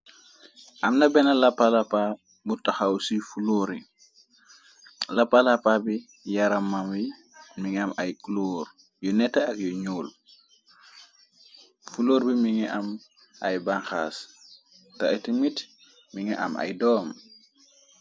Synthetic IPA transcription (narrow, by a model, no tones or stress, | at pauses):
ʔamnabɛnalapːalapa | butaxawsifuloɾi | lapːalapabi | jaɾamːamwi | miŋamajkloːɾ | jɔnɛtːaakjɔɲuːl | fuloːɾbimiŋɛʔam | ʔa̰jbaŋxas | taʔɛtimit | miŋɛʔa̰ma̰jdɔːm